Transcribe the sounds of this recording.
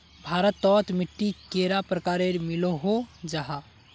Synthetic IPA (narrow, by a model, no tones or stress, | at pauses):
bʱaɾət̪ːɔt̪miʈːikeɾapɾəkaɾeɾmiloɦod͡ʒaɦa